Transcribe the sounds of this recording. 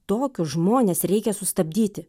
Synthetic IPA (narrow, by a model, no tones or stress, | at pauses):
t̪oːkʲʊʒmoːnʲeːsɾʲɛɪkʲɛsʊst̪ɐbʲd̪ʲiːt̪ʲɪ